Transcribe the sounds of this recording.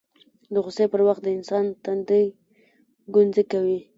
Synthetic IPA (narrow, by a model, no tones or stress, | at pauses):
d̪əɣʊsepəɾwaxt̪̚d̪əɪnsɑnt̪and̪əj | ɡʊnzəkawi